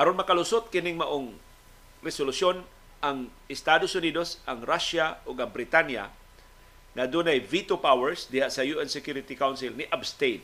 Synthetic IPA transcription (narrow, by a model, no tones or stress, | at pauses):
ʔɐɾonmɐkalʊsot̪̚kɪnɪŋmɐʔoŋ | ɾɛsolʊsjon | ʔaŋ | ɪst̪ad̪osʊniːd̪osʔaŋɾaʃaʔoɡɐŋbɾɪt̪anja̰ | ŋad̪unajvit̪opawɛɹsd̪ɪhaʔsɐjuʔɛnsɛkjuɾɪt̪ikawnsɪlnɪʔabst̪ejd̪